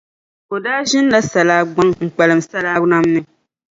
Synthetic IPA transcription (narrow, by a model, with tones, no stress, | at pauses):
ko˨daː˦ʒɪ˦n˦la˦sa˨laː˦ɡ͡ba˦ŋŋ͡m̩˨k͡pɛ˨lɨ˨msa˦laː˦na˦mnɨ˨